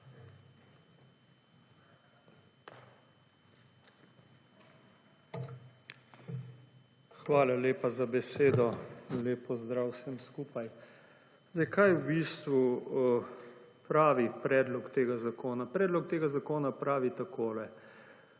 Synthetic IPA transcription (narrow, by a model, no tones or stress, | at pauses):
xʋaːlaleːpazabɛseːd̪ɔleːpɔzd̪ɾawsɛmskuːpaj | zajkajubist̪ʋu | pɾaːʋipɾɛːd̪lɔkt̪eːɡazakoːnapɾɛːd̪lɔk̚t̪eːɡazakoːnapɾaːʋit̪akʰoːlɛ